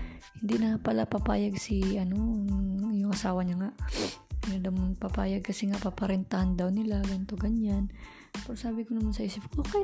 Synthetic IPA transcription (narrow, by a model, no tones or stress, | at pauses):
hɪnd̪inɐapɐlapapa̰ːjaɡsɪʔɐno | jʊŋʔɐsaːwɐɲaŋaʔ | jad̪ɐwmpapaːjɐɡ̚kɐsɛŋaʔpapɐɾɛnt̪ahand̪ɐwnɪlaɡɐnɪt̪o̞ɡɐɲan | pɛɾosaːbɪkonɐmansɐʔiːsɪp̚kokɛ